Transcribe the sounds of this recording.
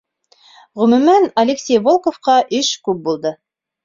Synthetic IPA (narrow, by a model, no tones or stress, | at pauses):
ʁɵ̆mʉ̆mænɐlʲeksʲejvolˠkofqɑʔɘʃkʉp̚bulˠd̪ɤ